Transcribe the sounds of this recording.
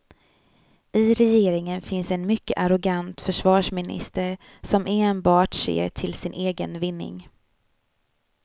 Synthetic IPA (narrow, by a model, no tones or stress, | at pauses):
ʔɪɾɛjeːɾɪŋənfɪnsɛnmʏkːə̰ʔaɾɔɡant̪fœʂvɑːʂmɪnɪ̰st̪əɾ | sɔmʔeːnbɑːʈʂḛːɾʈʰɪlsɪnʔeːɡənvɪnːɪ̰ŋ